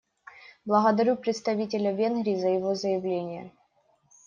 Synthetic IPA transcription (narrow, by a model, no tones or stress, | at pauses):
blˠəɣɐd̪ɐɾʲupɾʲɪt̪st̪ɐvʲitʲɪlʲɐvʲe̞nɣɾʲiːzəjɪvo̞zəjɪvlʲenʲɪjə̰